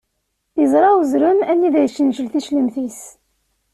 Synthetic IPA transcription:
θizˤɾˤɑwzɾəmænːiðæjʃənʒəlθiʃləmθis

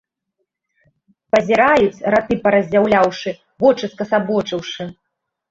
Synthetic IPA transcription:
pɐzʲiɾajut͡sʲrat̪ɨpɐɾɐzʲd͡zʲawlʲawʂɨ | vɔt͡ʂɨskɐsabɔt͡ʂɨwʂɨ

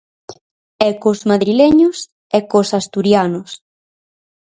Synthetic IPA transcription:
ɛkozmaðɾileɲʊs | ɛkosast̪uɾjanʊs

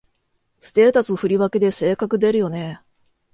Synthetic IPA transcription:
sɨ̥t̪e̞ːt̪at͡sɨoɸɯ̟ɾʲiβake̞d̪e̞se̞ːkakɯ̟d̪e̞ɾɯ̟jo̞ne̞

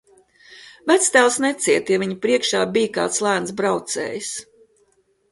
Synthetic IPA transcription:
væt̪st̪æːlˠsnɛt̪siɛt̪javʲiɲpɾiɛkʃaːbijka̰ːt̪slˠæːnsbɾawt̪sɛ̰ːjis

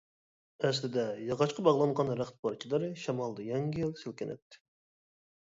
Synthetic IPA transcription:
ɛs̬lɪd̪ɛjɑʁɑʃqʰɑbɑʁlˠɑnʁɑnɾæχt̪̚pʰɑɾt͡ʃʰilˠɨɾɨʃɑmɑlˠd̪ɨjɛŋɡʲijilˠsɪlkʲɪnɛ̰t̪ʰːɪ̥

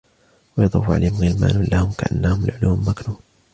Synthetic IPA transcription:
wɑjɑd̪ˤɑ̰ːfʕa̰lːhɪmɣɪlma̰ːnʊnlahʊmkaʔanːahʊmalʕʊluːmːaknuːn

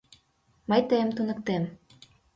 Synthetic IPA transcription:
mɤjt̪əjəmt̪unə̆k̚t̪em

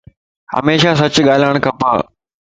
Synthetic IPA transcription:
hɐ̰meːʃasɐt͡ɕɠaːlaːɳ̃kɐpa̰ː

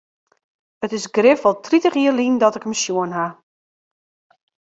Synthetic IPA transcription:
ətɪsɡrɪfʋɔlˠtʰritəχiərlindɔtɪkəmsjuənɦa

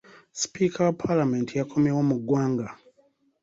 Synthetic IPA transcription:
spikʰawapʰalame̞ntʰijakʰo̞mjewomuɡwaːŋɡa

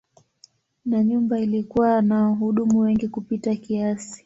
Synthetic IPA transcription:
naɲumbailikuwanaɦuɗumuwɛŋɡikupitakiasi̥

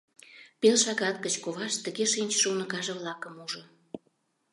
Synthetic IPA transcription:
pelʃɑɣɑt̪kət͡ɕkoβɑʃt̪ə̆ɣeʃinʲt͡ɕʃuunəkɑʒeβlɑkəmuʒo

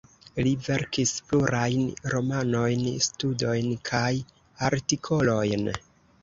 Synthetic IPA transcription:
live̞ɾkispluɾʔajnɾo̞mano̞jnstudo̞jnkʰaj | aɾtikʰo̞lo̞jn

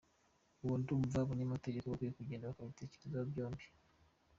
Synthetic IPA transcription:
uβuntumuvaβuɲamateɟekaβokuɾikuɟeːndaβakaβite̞ce̥ɾezaβɟo̞ːmbi̥

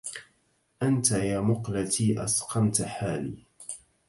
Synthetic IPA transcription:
ʔant̪ajaːmʊqlat̪ʰiːʔɑ̰sqɑmt̪ħaːlḭː

